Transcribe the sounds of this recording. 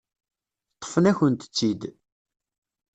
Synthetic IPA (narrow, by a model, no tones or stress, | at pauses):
t̪ˤːə̥fənæçənt̪ə̥t͡sːid̪